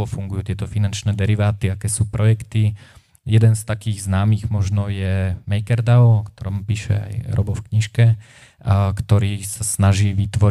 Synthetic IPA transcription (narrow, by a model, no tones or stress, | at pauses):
ɔfuŋɡujuːt̪ɪɛt̪ɔfinant͡ʃnɛːd̪ɛɾiʋaːt̪iakɛːsuːpɾʔɔjɛkt̪i | jɛd̪ɛnst̪akiːɣznaːmiːɣmɔʒnɔjɛmɛjkɛɾd̪aɔɔkt̪ɔɾɔːmpiːʃɛ̰a̰jɾɔ̰bɔfkɲiʃkɛ | kt̪ɔɾiːsasnaʒiːʋit̪ʋɔ